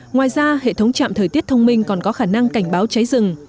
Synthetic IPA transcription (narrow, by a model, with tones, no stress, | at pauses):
ŋwaː˨˩jzaː˧hḛ˧˨t̪ʰə˨˦wŋ͡mt͡ɕa̰ː˧˨mt̪əː˨˩jt̪i˦˥ət̚t̪ʰə˧wŋ͡mmï˧ŋ̟kɔ˨˩nkɔ˨˦xaː˧˩na˧ŋka˧˩jŋ̟ɓaː˨˦wt͡ɕa˨˦jzɨ˨˩ŋ